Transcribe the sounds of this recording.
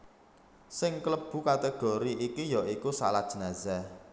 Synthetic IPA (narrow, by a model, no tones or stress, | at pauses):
sɪŋkləb̥ṳkat̪eɡ̥oɾiʔikijɔʔikusa̰lat̪̚ʒ̥ə̤naza